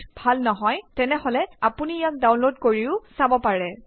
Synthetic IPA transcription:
bʱalnɔɦɔjtɛnɛɦɔlɛapunijak̚dawnlodkoɹiʊsabɔpaɹɛ

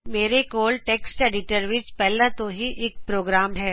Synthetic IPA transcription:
meːɾekoːlʈeːksʈeːɖɪʈəɾʋɪt͡ʃpɛɦlãt̪oɦiʔeːk̚pɾoːɡɾaːmɦɛː

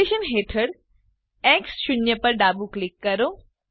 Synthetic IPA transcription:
eʃənɦeːʈʰəɽ | ɛːksʃʊnjəpɐɾɖaːbuklɪkːɐɾoː

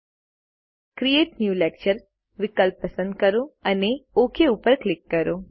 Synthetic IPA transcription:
kɾieʈnjuːlek̚t͡ʃəɾ | ʋɪkəlpːəsə̃nd̪̚kəɾoəneokʰeupəɾklɪkːəɾo

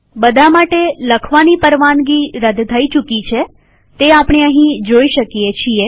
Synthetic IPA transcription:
bəd̪ʱamaʈeləkʰʋanipəɾʋanɡiɾəd̪ʱt̪ʰːəit͡ʃukit͡ʃʰe | t̪eapɳ̃eəɦĩd͡ʒoiʃəkijet͡ʃʰie

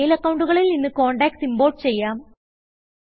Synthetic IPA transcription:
jilɐkːɐwuɳɖuɣɐɭilninːɨko̞ːɳɖaːk̚simbo̞ːrʈt͡ɕe̞jːaːm

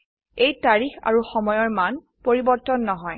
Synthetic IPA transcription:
ejtaɹixa̰ɹuxɔmɔjɔɹman | poɹibɔɹtɔnːɔɦɔj

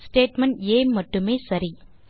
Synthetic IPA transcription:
sʈeːʈmɐɳɖeːmɐʈːɯmeːsɐɾi

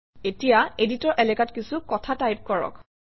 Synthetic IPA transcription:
etijaeditɔɹʔɛlɛkatkisukɔtʰatajp̚kɔɹɔ̰k

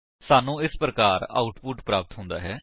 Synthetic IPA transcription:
saːnũːɪspɾəkaːɾa̰ːʊʈpʊʈpɾaːp̚t̪ɦʊ̃nd̪a̰ːɦɛː

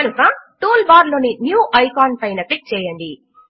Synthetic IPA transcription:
kɐnukɐʈuːlbaːɾloːninjuːʔɐjkaːnpɐjnɐʈik̚t͡ʃɛːjɐɳɖi

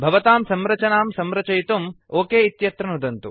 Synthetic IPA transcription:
bʱɐʋɐt̪aːmsɐmɾɐt͡ʃɐnaːmsɐmɾɐt͡ʃɐjt̪um | oːkeːit̪jɐt̪ɾɐnud̪ɐnt̪u

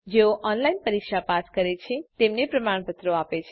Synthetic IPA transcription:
d͡ʒeoʔɔnlainpəɾikʃapaskəɾet͡ʃʰet̪emnepɾəmaɳ̃pət̪ɾoapet͡ʃʰe

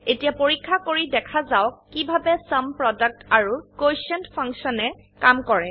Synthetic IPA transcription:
etijapoɹikʰːakoɹidɛkʰazawkːibʱabɛsampɹɔdək̚taɹukosɛntpʰãŋksɔnɛ | kamkɔɹɛ

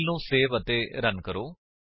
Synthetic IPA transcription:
lnũːseːʋət̪eːɾənkəɾoː

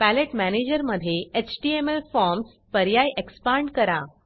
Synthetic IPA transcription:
pæleʈmæned͡ʑəɾməd̪ʱːjeet͡ɕʈiemelfɔɾms | pəɾjajʔekspaɳɖkəɾa

